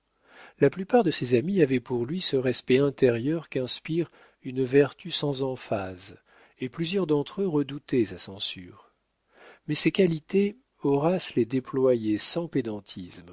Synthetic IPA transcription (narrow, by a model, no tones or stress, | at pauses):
laplypaʁd̪əsezamiavɛpuʁlɥisəʁɛspɛɛ̃t̪eʁjœʁkɛ̃spiʁ | ynvɛʁt̪ysɑ̃zɑ̃faz | eplyzjœʁd̪ɑ̃t̪χəʁəd̪ut̪ɛsasɑ̃sy̰ːʁ | mɛsekalit̪e | ɔʁasled̪eplwajesɑ̃ped̪ɑ̃t̪ʰizm